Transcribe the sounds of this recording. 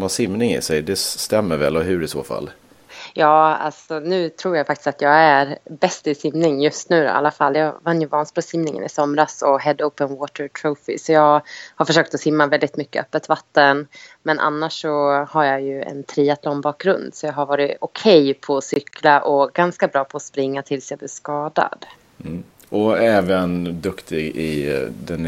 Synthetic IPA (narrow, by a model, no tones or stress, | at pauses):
masɪmnɪŋɪ̰sɛjd̪ɛt̪ɛmːəɾvɛ̰lɔɦɵɾɪso̰ːfa̰lː | jɑːa̰lsɔnʉ̟ːt̪ʰɾuːɾjajfakt̪ɪst̪at̪jɑːɡæɾbɛst̪ɪsɪmnɪŋjɵst̪nʉ̟ːd̪ɔ̰ʔa̰lːafalːjɑːvanːjɵvɑːnspɔsɪmnɪŋə̰nɪ̰sɔmɾasɔɦɛd̪owpənwoːt̪əɾt̪ʰɾoːfɪ̰sɔjɑːɡhaɾfœʂøːk̚t̪ɔsɪmːavɛld̪ɪt̪mʏkːəœpːət̪vat̪ːənmɛnʔa̰nːaʂːɔhaɾjajɵɛ̰nt̪ʰɾiːat̪ʰlɔmbɑːk̚ɡɾɵnd̪sɔjɑːɦaɾvɑːɾɪʊkʰɛjpʰɔːsʏkʰlaʔɔɡanskabɾɑːpʰɔːspɾɪŋːat̪ʰɪlsjaɡblɪskɑːd̪a̰d̪ | ɔɛːvənd̪ɵkt̪ɪɡɪ̰d̪ɛn